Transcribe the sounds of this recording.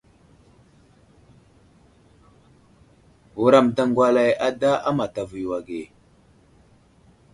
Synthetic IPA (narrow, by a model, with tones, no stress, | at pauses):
wu˨ɾa˨mda˦ŋɡwa˦la˨ja˦da˦ʔa˦ma˨ta˨vu˨jwa˨ɡe˨